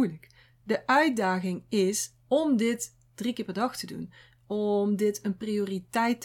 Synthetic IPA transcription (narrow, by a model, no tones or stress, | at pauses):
jlək | dəʔœɥt̚daːɣɪŋɪs | ɔmdɪt | d̥rikɪːɹpɛɹdɑxtədṵn | ɔmdɪtʰənprioːritɛjt